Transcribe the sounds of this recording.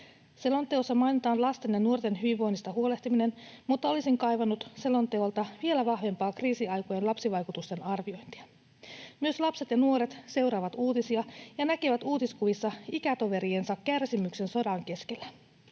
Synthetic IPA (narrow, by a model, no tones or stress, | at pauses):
se̞lo̞nt̪ːˑeosːɑmɑjnit̪ɑːnlɑst̪enjɑnuo̞rt̪enɦyʋiʋːo̞jnːist̪ɑɦuo̞le̞ht̪imine̞nmut̪ːɑo̞lisiŋkɑjʋɑnːut̪se̞lo̞nt̪eolt̪ɑʋie̞læʋɑhʋe̞mpɑːkriːsiɑjkojenlɑpsiʋɑjkut̪ust̪e̞nɑrʋio̞jnt̪i̥ɑ | myø̞slɑpse̞t̪jɑnuo̞ɾe̞t̪se̞wɾɑːʋɑt̪uːt̪isiɑjɑnækeʋæt̪uːt̪iskuʋisːɑikæt̪o̞ʋe̞ɾiensɑkːærsimykse̞nso̞dɑŋke̞ske̞lːæ